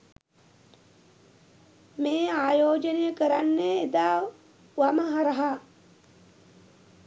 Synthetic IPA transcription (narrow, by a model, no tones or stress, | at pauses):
meːaːjoːd͡ʒənejəkəɾanːeːd̪aː | ʋaməɦaɾɐɦa